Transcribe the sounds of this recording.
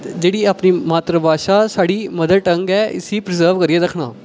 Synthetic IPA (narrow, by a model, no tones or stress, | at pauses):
d͡ʒeːɽiːaːpniːmaːt̪ɾəbaːʃaːsaːɽiːməd̪əd̪̚ʈəŋɡɛːʔɪ̰siːpɾɪzəɾʋkəɾiːɛːd̪əkʰɳaː